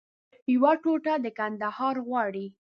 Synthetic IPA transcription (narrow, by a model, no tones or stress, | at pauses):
jwaʈoʈad̪əkand̪ahɑɾɣwɑɽi